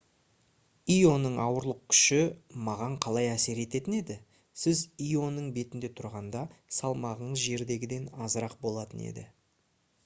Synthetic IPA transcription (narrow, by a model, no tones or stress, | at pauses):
ijo̞nəɴɑwəɾlˠəq̚kʲʰʏ̥ʃɪmɑʁɑɴqʰɑlˠɑjæse̞ɾe̞t̪e̞t̪ɪne̞d̪ɪ | sɪzijo̞nəɴbe̞t̪ɪnd̪e̞t̪ʰʊɾʁɑnd̪ɑsɑlˠmɑʁəɴəzʒe̞ɾd̪e̞ɡʲɪd̪e̞nɑzəɾɑqbo̞lˠɑt̪ənḛd̪ɪ